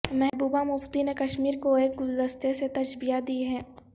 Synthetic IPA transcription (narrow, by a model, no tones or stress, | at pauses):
mɛɦbuːbamʊft̪inekɐʃmiːɾkoeːk̚ɡʊld̪ɐst̪eset̪ɐʃbijad̪iɦɛ̃ː